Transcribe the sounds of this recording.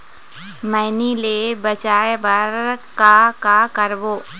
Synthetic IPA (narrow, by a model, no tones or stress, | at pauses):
mɛːnilebət͡ʃaːeʋɐɾkakakəɾboː